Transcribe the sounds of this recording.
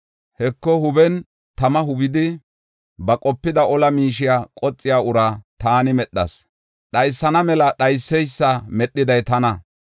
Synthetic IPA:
hɛkːɔhʊbɛn | t̪ɐmɐɦʊbɪd̪ɪ | bɐkʼɔpːɪd̪ɐɔlɐmiːʃ̬ɪjaːkʼɔt͡sʼːɪjaːʊɾɐt̪aːnɪmɛɗːɐ̰s | ɗɐjsːɐnɐmɛlɐɗɐjsːɛjsːɐmɛɗːɪd̪ɐjt̪ɐnɐ

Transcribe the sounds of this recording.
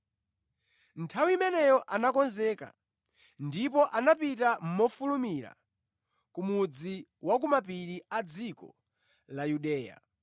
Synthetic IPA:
ntʰawimɛnɛjɔʔanakɔnzɛka̰ | ndipɔʔanapitam̩mɔfulumiɾa̰ | kumud͡ziwak̬umapiɾiad͡zikɔ̰ | lajuɗɛːja̰

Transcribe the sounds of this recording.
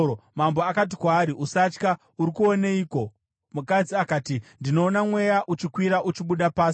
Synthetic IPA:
omamboakat̬ikwaːɾiʔusat͡ʃka | uɾikuoneiːko̞ | mukad͡ziakaːtindino̞ːnamwe̞jaʔut͡ʃikwiɾaʔut͡ʃiɓuɗapaːs

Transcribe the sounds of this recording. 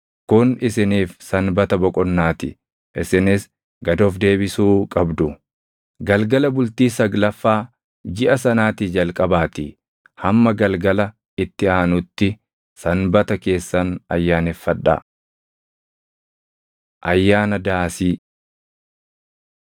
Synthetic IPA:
kʊnɪsɪniːfsɐnbɐt̪ɐbɔkʼɔnːaːt̪ɪ̰ | ʔɪsɪnɪs | ɡɐd̪oːfd̪e̞ːbɪsuːkʼɐbd̪ʊ | ɡɐlɡɐlɐbʊlt̪iːs̬ɐɡlɐfːaː | d͡ʒɪʔɐsɐnaːt̪ɪd͡ʒɐlkʼɐbaːt̪i | hɐmːɐɡɐlɡɐlɐ | ɪt̪ːɪaːnʊt̪ːɪ | sɐnbɐt̪ɐke̞ːsːɐnɐjːaːnɛfːɐᶑːɐ̰ | ʔɐjːaːnɐd̪aːsiː

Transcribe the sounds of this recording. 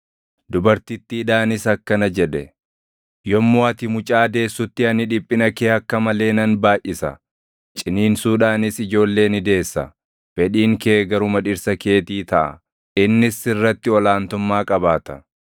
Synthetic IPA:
d̪ʊbɐɾt̪ɪt̪ːiᶑaːnɪsɐkːɐnɐd͡ʒɛᶑɛ | jɔmːoːɐt̪ɪmʊt͡ʃʼaːd̪e̞ːsːʊt̪ːɪɐnɪᶑɪpʼːɪnɐkeːɐkːɐmɐle̞ːnɐnbaːjʔːɪsɐ̰ | t͡ʃʼɪniːnsuːᶑaːnɪsɪd͡ʒo̞ːlːe̞ːnɪd̪e̞ːsːɐ̰ | fɛᶑiːŋkeːɡɐɾʊmɐᶑɪɾsɐke̞ːt̪iːt̪ɐʔɐ̰ | ɪnːɪsɪrːɐt̪ːɪɔlaːnt̪ʊmːaːkʼɐbaːt̪ɐ

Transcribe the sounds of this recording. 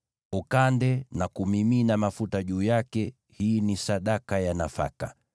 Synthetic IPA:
ukandɛnakumiminamafutaʄuːjakɛ | hiːnisaɗakajanafa̰ka

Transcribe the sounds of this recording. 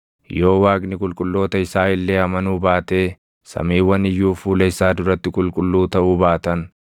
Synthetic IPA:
jo̞ːwaːɡnɪkʼʊlkʼʊlːo̞ːt̪ɐɪsaːɪlːeːɐmɐnuːbaːt̪e̞ː | sɐ̰miːwːɐnɪjːuːfuːlɐɪsaːd̪ʊɾɐt̪ːɪkʼʊlkʼʊlːuːt̪ɐʔuːbaːt̪ɐn

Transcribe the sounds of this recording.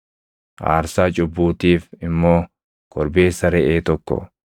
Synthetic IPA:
ʔa̰ːɾsaːt͡ʃʼʊbːuːt̪iːfɪmːo̞ː | kʰɔɾbe̞ːsːɐɾɛʔeːt̪ɔkːɔ̰

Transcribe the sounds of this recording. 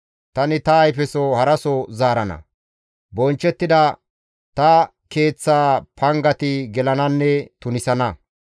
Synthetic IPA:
t̪ɐnɪt̪ɐːjfɛsɔhɐɾɐsɔzaːɾɐnɐ̰ | bɔnt͡ʃːɛt̪ːɪd̪ɐ | t̪ɐ | ke̞ːt͡sːaːpʰɐŋɡɐt̪ɪɡɛlɐnɐnːɛt̪ʊnɪsɐnɐ

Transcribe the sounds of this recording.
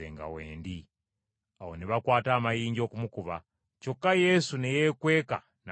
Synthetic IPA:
eŋɡa̰weːndi | awoniʋakwatamajiɲd͡ʒokumukuʋa | t͡ʃokːajesunejekweka̰ | na

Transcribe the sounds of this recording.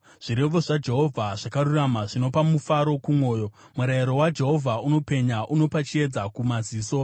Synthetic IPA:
ʐ̥iɾe̞ʋo̞ʐad͡ʒe̞ɦo̞vʱaʐ̥akaruramaʐino̞pamufaɾo̞kumwo̞ːjo̞ | muɾaiɾo̞wad͡ʒe̞ɦo̞vʱauno̞pe̞ɲaʔuno̞pat͡ʃie̞d͡zakumaziːso̞

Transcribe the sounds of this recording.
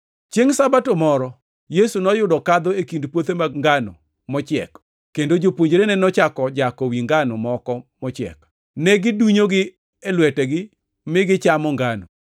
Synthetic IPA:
t͡ʃjeŋsabatomɔɾɔ | jesunɔjʊdɔkad̪ɔekindpwot̪emaŋɡanɔ̰ | mɔt͡ʃɪɛ̰k | kːendod͡ʒopwoɲd͡ʒɾenɛnɔt͡ʃakɔd͡ʒakɔwiŋɡanɔmɔkɔmɔt͡ʃɪɛ̰k | nɛɡɪduɲoɡɪ | ɛlwɛtɛɡɪ | mɪɡɪt͡ʃamɔŋɡano

